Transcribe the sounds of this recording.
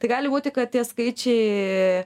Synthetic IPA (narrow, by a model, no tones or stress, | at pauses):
t̪ɐɪɡɑːlʲɪbuːt̪ʲɪkɐt̪̚t̪ʲiɛskɐɪt͡ʃʲɛɪ